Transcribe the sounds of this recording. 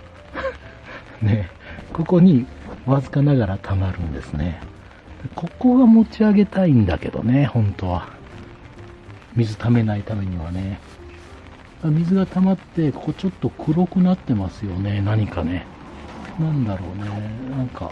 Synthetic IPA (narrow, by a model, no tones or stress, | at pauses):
ne̞ | ko̞ko̞ɲ̟iβazɨkanaɡaɾat̪ʰamaɾɯ̟̃nd̪e̞sɨne̞ | d̪̥akʰo̞ko̞ɡamo̞t͡ɕiaɡe̞t̪aĩnd̪a̰ke̞d̪o̞̰ne̞hõ̞nt̪o̞βa | mʲizɨt̪ʰame̞nait̪ame̞ɲ̟iβane̞ | d̪amʲizɨɡat̪amat̪ːe̞kokot͡ɕo̞t̪ːo̞kʰɯ̟ɾo̞kɯ̟nat̪ːe̞masɨjo̞ne̞naɲ̟ikane̞ | nãnd̪aɾo̞̰ːne̞nãŋka̰